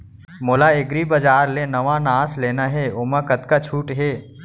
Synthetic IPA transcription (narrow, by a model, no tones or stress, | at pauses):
moːlaɪɡɾibɐd͡ʒaːɾlenɐʋanãːsleːnaɦeʊmãkət̪kat͡ʃʰuːʈɦeː